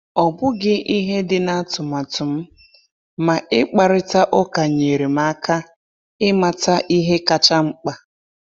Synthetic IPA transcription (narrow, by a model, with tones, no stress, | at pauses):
ɔ˨bʊ˦ɡɪ˦ʔi˦ɦe˦dɪ˨na˦tʊ˨ma˨tʊ˨m̩˦ | ma˨ʔɪ˦k͡pa˨ɾɪ˦ta˦ʔʊ˦ka˨ɲe˨ɾi˨ma˦ka˦ | ɪ˦ma˨ta˦ʔi˦ɦe˦ka˨t͡ʃa˦ŋ͡m̩˦k͡pa˦˨